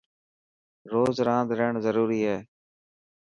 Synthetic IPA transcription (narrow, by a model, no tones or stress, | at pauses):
ɾoːzɾãːd̪ɾəɳzəɾuːɾiːɦɛː